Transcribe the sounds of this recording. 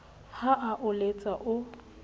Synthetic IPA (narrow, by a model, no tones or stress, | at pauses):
haʔaʔʊlet͡sʼaʔʊ